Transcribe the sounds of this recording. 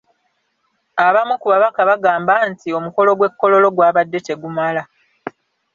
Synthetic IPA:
aβamukuβaβakaβaɡaːmbantio̞muko̞lo̞ɡwe̞kːo̞lo̞lo̞ɡwaːβadːe̞te̞ɡumala

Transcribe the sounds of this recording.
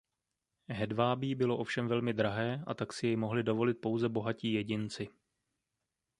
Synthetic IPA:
ɦɛdvaːbiːbɪlo̞ʔo̞fʃɛmvɛlmɪd̪ɾaɦɛːʔa̰t̪aksɪjɛjmo̞ɦlɪdo̞vo̞lɪt̪̚po̞wzɛbo̞ɦaciːjɛɟɪnt͡sɪ

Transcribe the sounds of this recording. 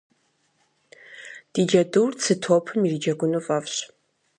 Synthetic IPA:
d̥id͡ʒɐdurt͡sʰɨtʰoːpʰɨmirid͡ʒɐɡʷʊnufʼɐfɕ

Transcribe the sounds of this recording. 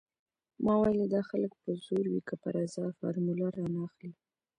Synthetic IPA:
mɑwajld̪ɑxalək̚pəz̥oɾwikəpəɾazɑfɑ̰ɾmulaɾɑnɑxli

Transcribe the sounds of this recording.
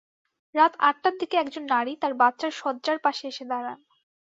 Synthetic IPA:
ɾat̪aʈ̚ʈad̪ʱikeɛkd͡ʑonːaɽit̪aɾbatːɕaɾʃɔd̪d͡ʑaɾpaʃeeʃed̪aɾan

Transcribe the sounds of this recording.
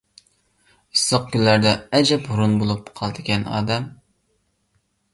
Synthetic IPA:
ɨsəq̚kʲynlæɾd̪ɛɛd͡ʒɛphuɾunbolˠup̚qʰɑlˠd̪ɨkʲɛnɑ̰ːd̪ɛm

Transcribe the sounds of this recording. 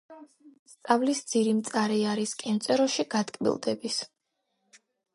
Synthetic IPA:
st̪sʼavlisd̪ziɾimt̪sʼaɾɛaɾiskʼɛmt̪sʼɛɾɔʃiɡat̪ʼkʼbḭlˠd̪ɛbis

